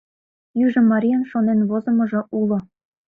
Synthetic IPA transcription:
jyʒɤ̆mɑɾʲijɑnʃonenβozɤ̆mɤ̆ʐɤ̆ʔulˠɤ̆

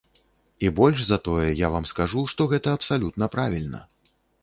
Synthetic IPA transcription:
ibɔlʲʂzɐt̪ɔjɛjavamskaʐuʂt̪ɔɣɛt̪ɐɐpsalʲut̪nɐpɾavʲilʲnɐ̰

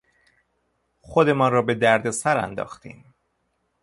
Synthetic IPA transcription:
xod̪e̞mɒːnɾɒːbe̞d̪æɾd̪e̞sæɾæ̰nd̪ɒ̰ːxt̪ḭːm

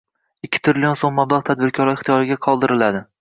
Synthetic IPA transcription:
ɪkʲʰːɪ̥t̪ʰɾɪlʲijonsomːablˠɑʁt̪ʰad̪̚bɪɾkʲʰɒɾɪɪχt̪ijɒɾɪɡʲaqʰɒlˠd̪ɪɾɪlad̪ɪ

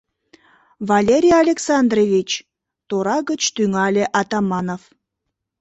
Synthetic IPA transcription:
vɑlʲeɾʲijɑlʲeksɑnd̪revʲit͡ɕ | t̪oɾɑɣət͡ɕt̪yŋɑlʲeʔɑt̪ɑmɑnof

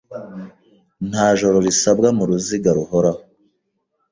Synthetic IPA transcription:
n̥haːʒo̞ɾoɾisab̚ɡamuɾuziɡaɾuhoɾa

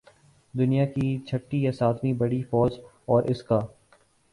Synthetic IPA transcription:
d̪ʊnijakit͡ʃʰɐʈːijasaːt̪mĩbɐɽifɔːd͡ʒ | ɔːɾʔɪskaː

